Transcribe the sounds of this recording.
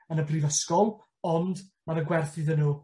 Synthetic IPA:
ənəpʰriːvəskɔlˠ | ɔndmanəɡwɛrθɪðənuː

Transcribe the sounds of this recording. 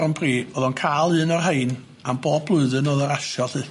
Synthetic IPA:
ɾənpʰriːoːðɔnkʰaːlˠɨːnɔrɦejn | amboːb̚blˠʊɨðɨnoːðɔɾaʃɔlɨ

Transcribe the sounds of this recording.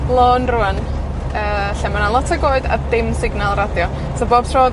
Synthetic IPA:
lˠoːnruan | əːɬɛmanalˠɔtʰaɡoːɨda̰dɪmsɪɡnalˠradjɔ | soboːb̥̚tʰroː

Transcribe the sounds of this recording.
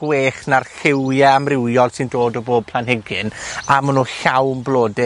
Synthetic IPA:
ɡweːχnarɬɪwjɛamrɪwjɔdsʰɨndoːdɔboːb̚pʰl̥ˠanɦɪɡɪnamənuːɬawmblˠoːdɪ

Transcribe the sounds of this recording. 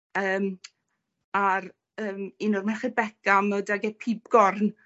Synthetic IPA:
əːm | aɾ | əːminʊrmɛrχɪbɛkamɛwdaɡɛpʰiːbɡ̥ɔrn

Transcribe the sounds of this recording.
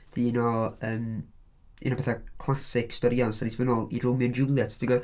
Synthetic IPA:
d̥inɔəːm | ḭnɔbɛθakʰlˠasɪkstɔɾiɔnsanitʰbənɔlˠḭɾʊmjɔnd͡ʒʊlˠjatʰtʰiɡɔ

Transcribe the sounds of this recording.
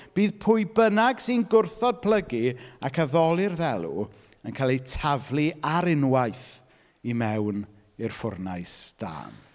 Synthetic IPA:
b̥iːðpʰʊɨbənaɡsinɡʊrθɔd̚pʰl̥əɡiakʰaðɔlˠɪrðɛlˠṵ | ənkʰaːlˠitʰavlˠiaɾɪnwajθ | imɛwn | ɪrfʊrnajsd̥a̰ːn

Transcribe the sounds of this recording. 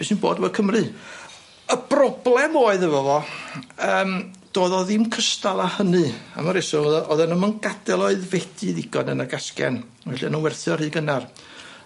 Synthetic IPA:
bɪsinbo̰ːdvɔkʰəmrɨ | əb̥rɔblˠɛmoːɨðəvɔvɔ | əːmd̥oːðɔðɪmkʰəstalˠahənɨa̰maɾesɔɔðʔɔðɛnɔmənɡadɛlˠoɨðvɛd̥ɨðɪɡɔnənaɡaskɛ̰n | vɛɬianunwɛrθjɔr̥ɨːɡənar

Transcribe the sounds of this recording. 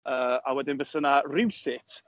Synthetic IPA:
əːawɛdɪnvəsənarɪwsɪtʰ

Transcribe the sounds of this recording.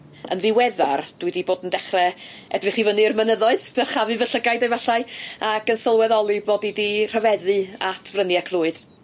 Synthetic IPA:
ə̰nðɪwɛðard̥wɨdiboːdəndɛχrɛ | ɛdrɨχivənɨrmənəðɔɨðdɛrχavɨvəɬəɡajdejvɛɬaɨakənsəlˠwɛðɔlˠɨboːdidir̥əvɛðɨatʰvrəniakʰlˠuːɨd̥

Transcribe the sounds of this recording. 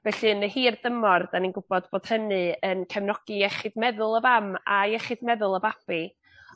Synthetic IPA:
vɛɬɨnəhiːrdəmɔrd̥aninɡʊb̥ɔdboːd̥hənɨənkʰɛmnɔɡ̥iɛχɨdmɛðʊlˠəvamajɛχɨdmɛðʊlˠəvab̥i

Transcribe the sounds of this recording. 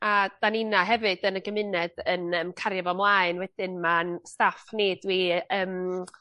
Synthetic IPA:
ad̥aninaɦɛvɨd̥ənəɡəmɪnɛdənəmkʰaɾjavɔmlˠaɨnwɛd̥ɪnmanstafned̥wiəːm

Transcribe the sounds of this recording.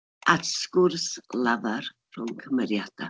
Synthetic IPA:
adskʊrslavar | r̥ʊŋkʰəmɛɾjad̥a̰

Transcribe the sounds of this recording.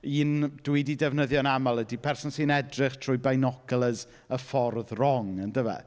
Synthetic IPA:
iːnd̥wɪdidɛvnəðjɔnamalˠədipʰɛrsɔnsɨnɛdrɪχtʰr̥ʊjbajnɔkʰəlˠəz | əfɔrðrɔŋəndəvɛ̰

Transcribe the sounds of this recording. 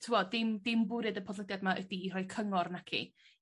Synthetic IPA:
tʰɪwɔdɪmdɪmbʊɾɨdəpʰɔðlˠədjadmaʔədiːrɔjkʰəŋɔrnakʰḭ

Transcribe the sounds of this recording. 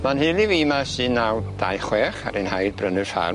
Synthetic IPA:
manhelˠiviːmasɨnːawd̥ajχwɛːχa̰ɾenhajd̚brənɨrfa̰r

